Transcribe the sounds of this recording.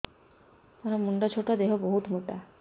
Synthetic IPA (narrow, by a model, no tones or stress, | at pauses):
aɾamuɳɖat͡ɕʰoʈad̪eɦoboɦut̪moʈa